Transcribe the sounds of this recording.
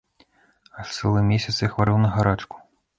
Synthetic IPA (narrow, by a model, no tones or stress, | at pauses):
ɐt̪sɛlˠɨmʲesʲɐt̪sjɐxvaɾɨwnɐɣaɾat͡ʂku̥